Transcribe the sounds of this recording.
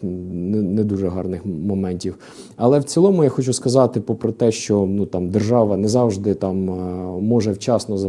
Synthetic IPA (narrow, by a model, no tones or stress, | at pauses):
nɛnɛd̪uʒɛɦɑrnɪxmɔmɛnʲtʲiw | ɐlˠɛwt͡sʲilˠɔmʊjaxɔt͡ʃuskɐzɑt̪ɪpɔpɾɔt̪ɛʃt͡ʃɔnut̪ɑmd̪erʒɑʋɐnɛzɑwʒd̪ɪt̪ɑmː | ɔʒɛwt͡ʃɑsnɔzɐ